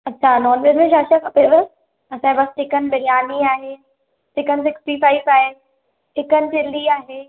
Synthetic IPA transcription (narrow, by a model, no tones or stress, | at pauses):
ɐtːɕʰanɔːnʋezmẽʃaːʃakʰɐpeʋə | ɐsãbɐsʈɪkənbɐɾijaːniaːɦeː | sɪkənsɪksʈifaːɪfaːɪʋ | ɪkənt͡ɕɪlːiaːɦeː